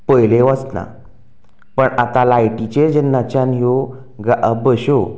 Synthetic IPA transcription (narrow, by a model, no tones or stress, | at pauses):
pəjleʋəsna̰ | pəɳat̪alajʈit͡ɕed͡ʑenːat͡ɕjanɦjo | ɡaʔbəɕo